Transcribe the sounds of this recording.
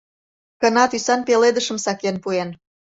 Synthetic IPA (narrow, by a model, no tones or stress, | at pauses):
kənɑt̪ysɑnpeled̪əʃə̆msɑkenpuen